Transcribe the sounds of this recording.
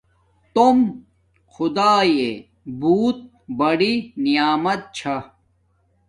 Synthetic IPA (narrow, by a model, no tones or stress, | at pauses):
t̪om | xʊd̪aːje | buːt̪̚ | bɐɽinijaːmɐt̪̚t͡ɕʰɐ